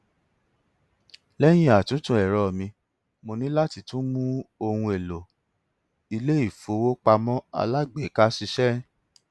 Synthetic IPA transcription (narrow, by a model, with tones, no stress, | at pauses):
lɛ˦j̃ĩ˦a˨tũ˨˦tũ˧˦ɛ˨ɾɔ˨mĩ˧ | mo˧nĩ˦la˦ti˧tũ˦mũ˦o˧hũ˧e˨lo˨ | i˧le˦i˦˨fo˨˦wo˦k͡pa˧mɔ̃˦a̰˧la˦ɡ͡be˨˦ka˦si˧ʃɛ˦